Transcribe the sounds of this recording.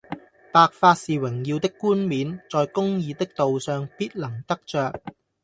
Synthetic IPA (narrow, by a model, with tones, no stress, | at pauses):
paː˨k̚faː˧t̚siː˨wɪ˨˩ŋjiː˧wt̪ɪ˥kːuː˥nmiː˨˥nt͡sɔː˨jkʊ˥ŋjiː˧t̪ɪ˥k̚t̪o˨wsœː˨ŋpiː˥t̚lɐ˨˩ŋt̪ɐ˥k̚t͡ʃœː˨k̚